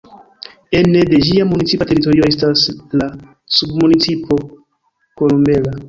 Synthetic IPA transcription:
ene̞de̞d͡ʒiamunit͡sipate̞ɾito̞ɾio̞e̞stasla | submunit͡sipʰo̞ | kolombe̞la

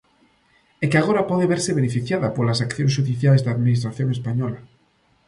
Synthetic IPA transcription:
ekeaɣ̞oɾapoðeβeɾseβenefiθjaðapolasakθjonsʝuðiθjalezðeaðmĩnist̪ɾaθjõ̞ŋespaɲola

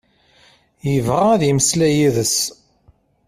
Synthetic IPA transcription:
jəvʁaðiməslæjiðəs

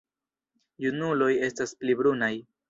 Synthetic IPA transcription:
junulo̞je̞stasplibɾunaj

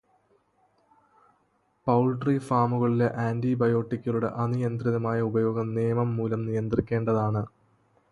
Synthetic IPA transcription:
pɐwɭɖrifaːmuɣɐɭile̞ʔaːndibɐjo̞ːʈːikʲːɐluɽe̞̰ʔɐnijɐnd̪riðɐmaːjɐubɐjo̞ːɡɐmnijɐmɐmːuːlɐmnijɐnd̪rikʲːe̞ːɳɖɐðaːɳɨ

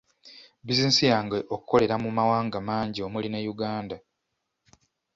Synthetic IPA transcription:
bizinisijaːŋɡeʔokuko̞le̞ɾamumawaːŋɡamaːɲɟio̞mulinejuɡaːnda

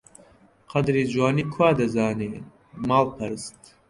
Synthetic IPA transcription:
qʰɐd̪ɾiːd͡ʒwaːniːkʰwaːd̪ɐzaːneː | maːlpʰɐɾɨst̪

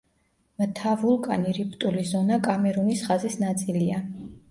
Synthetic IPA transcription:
mt̪ʰavulˠkʼaniɾipʰt̪ʼulizɔnakʼamɛɾunisχazisnat̪sʼilia

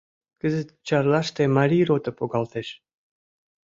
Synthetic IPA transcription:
kəzət̪t͡ɕɑɾlˠɑʃt̪emaɾʲiɾot̪əpoɡɑlˠt̪eʃ

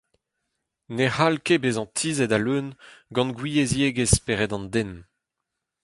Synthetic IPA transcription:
nehalkebezɑ̃t̪ʰiːzɛdalønɡɑ̃nɡwijezjeɡespeʁɛdɑ̃nd̪en

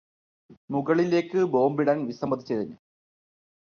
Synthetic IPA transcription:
muɣɐɭile̞ːkːɨbo̞ːmbiɽanʋisɐmbɐd̪ʱit͡ɕːɐðinːɨ

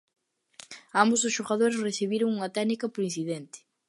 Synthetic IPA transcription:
ambozðʊsʃoɣað̞oɾesreθiβiɾoŋuŋɐt̪ɛɣnikɐpoɾin̟θiðɛnt̪ɪ̥

